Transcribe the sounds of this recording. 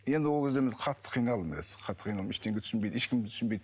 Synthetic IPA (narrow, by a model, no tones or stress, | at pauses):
jend̪ɪwolˠkʲezd̪emɪzqʰɑt̪ʰːə̥qʰijnɑlˠəmbɪlḛsɪz̥qʰɑt̪ːə̥qʰijnɑlˠəmɪʃt̪e̞ŋɡʲet̪ʰʏsɪnbejd̪e̞ʃkʲɪmt̪ʰʏ̥snbejd̪